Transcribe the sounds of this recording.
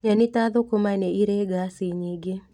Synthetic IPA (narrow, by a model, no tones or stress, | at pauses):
ɲanitaðokomanɛiɾeɡasiɲiɡɪ